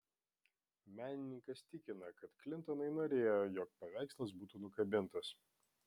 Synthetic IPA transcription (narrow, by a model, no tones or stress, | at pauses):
mʲæːnʲɪnʲɪŋkɐst̪ʲɪkʲɪnɐkɐt̪klʲɪnt̪ɔnɐɪnoːɾʲeːjojɔːk̚pɐʋʲæˑɪkslˠɐsbuːt̪uːnʊkɐbʲɪnt̪ɐs